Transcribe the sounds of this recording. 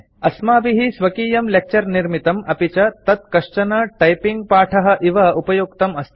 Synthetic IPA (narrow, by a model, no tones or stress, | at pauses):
ɐsmaːbiɦisʋɐkiːjɐmlek̚t͡ʃɐɾniɾmit̪ɐmɐpit͡ʃɐt̪ɐt̪̚kɐʂt͡ʃɐnɐʈɐjpiŋɡ̚paːʈʰɐɦɐ̆ʔiʋɐupɐjukt̪ɐmɐst̪ʰ